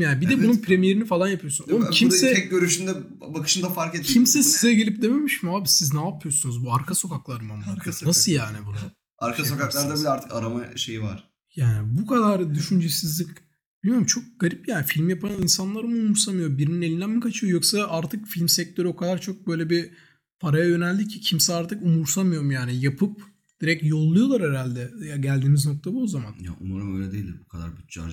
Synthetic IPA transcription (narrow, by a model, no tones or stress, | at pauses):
jaːnbid̪ɛbununpʰɾemije̞ɾinifalˠanjapʰyjo̞sunomcʰimɛɛk̚ɟøɾyʃynd̪ɛ | bakʰɯ̥ʃɯnd̪afaɾket̪ʰimsɛsizɛɟelʲip̚d̪eme̞miʃmiaːbisiznapʰːɯjosunuzbuaɾkʰaso̞kʰaklˠaɾɯmamˠaɾnasɯlˠjaːnibunu | aɾkʰasokaklˠaɾd̪abilɛaɾt̪ʰɯ̥ka̰ɾamaʃejiva̰ɾ | jaːnibukʰad̪aɾd̪yʃynd͡ʒesizlʲic | b̥ilʲmij̞ɾumt͡ʃʰok̚ɡ̥aɾipjaːnifilʲmjapʰaninsanlˠaɾɯmɯumuɾsamɯjo̞biɾinine̞lʲind̪ænmikʰat͡ʃʰɯjo̞jo̞ksaʔaɾt̪ʰɯkfilʲmsɛc̚t̪ʰø̞ɾyo̞kʰad̪aɾt͡ʃʰo̞k̚bø̞jlʲɛbi | pʰaɾajajø̞nɛlʲd̪icʰicʰimsɛaɾt̪ʰɯkumuɾsamɯjo̞ɾumjaːnijapʰɯp̚ | d̪̥iɾɛcjo̞lˠːujo̞lˠaɾɛɾalʲd̪ɛjaɟælʲd̪iːmizno̞k̚t̪ʰabozamanja̰ʔonˠaɾɯmøjnʲɛd̪ejilʲd̪ḭɾbukʰad̪a̰ɾbyt̪̚d͡ʒa̰